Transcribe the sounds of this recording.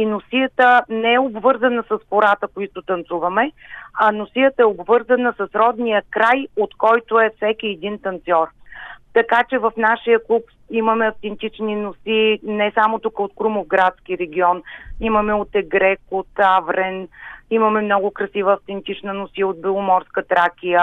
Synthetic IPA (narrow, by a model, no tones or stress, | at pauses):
inosijət̪ənɛɛobvɤɾzɐnəsɐspoɾat̪əkoit̪ʊt̪ɐnt̪suvɐmɛɐnosijət̪əɛobvɤɾzɐnəsɐsɾɔd̪nijəkɾajot̪kɔjt̪ʊɛfsɛkʲiɛd̪int̪ɐnt̪sɔɾt̪ɐkat͡ʃɛvɐfnaʃijəklˠup | iməmɛɐft̪ɛnt̪it͡ʃninosinɛsamot̪ukəot̪kɾumovɡɾat̪skiɾɛɡ̟ʲiɔniməmɛot̪ɛɡɾɛkot̪avɾɛnimɐmɛmnɔɡʊkɾɐsivəːft̪ɛnt̪it͡ʃnənosiot̪̚bɛlˠʊmɔɾskət̪ɾakʲijə